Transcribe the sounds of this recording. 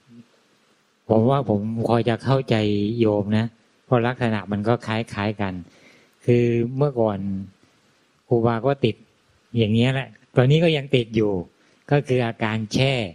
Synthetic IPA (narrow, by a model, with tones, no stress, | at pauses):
pʰo˩˦mwaː˥˩pʰo˩˦mkʰɔː˧jt͡ɕa˨˩kʰa˥˩wt͡ɕa˧jːoː˧mna˦˥ | pʰɔ˦˥˩la˦˥k̚sa˧na˨˩ma˧nkɔː˥˩kʰaː˦˥jkʰaː˦˥jka˧n | kʰɯː˧mɯ˥˩ɐkɔː˨˩n | kuː˧˩baː˧kɔː˥˩t̪i˨˩t̪̚ | jaː˨˩ŋːi˦˥ɐlɛ˨˩ʔ | t̪ɔː˧nːiː˦˥kɔː˥˩ja˧ŋt̪i˨˩t̪̚juː˨˩ | kɔː˥˩kʰɯː˧ʔaː˧kaː˧nt͡ɕʰɛː˥˩